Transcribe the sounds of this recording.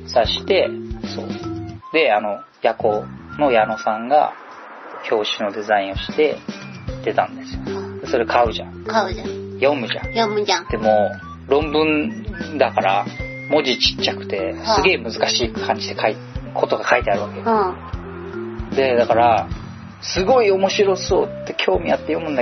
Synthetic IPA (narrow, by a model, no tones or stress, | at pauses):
saɕi̥t̪e̞so̞ːd̪e̞ano̞ | jako̞ | no̞jano̞sãŋɡa̰ | çʰʲo̞ːɕino̞d̪e̞zaĩɰ̃o̞ɕi̥t̪e̞ | d̪̥e̞t̪ãnd̪e̞sɨ̥jod̪e̞so̞ɾe̞kʰaɯ̟ʑã̰kaɯajõ̞mɯ̟ʑã̰jomɯãd̪̥e̞moː | ɾõ̞mbɯ̟̃nd̪akaɾa̰ | mo̞d͡ʑit͡ɕi̥t͡ɕːakɯ̟̥t̪e̞sɨɡe̞ːmɯ̟zɨkaɕiːkʰãɲ̟d͡ʑid̪e̞kʰai | kʰo̞t̪o̞ɡakait̪e̞aɾɯ̟βake | d̪e̞d̪akaɾa | sɨɡo̞io̞mo̞ɕiɾo̞so̞ːt̪ːe̞kʲʰo̞ːmʲijat̪ːe̞jo̞mɯ̟nd̪a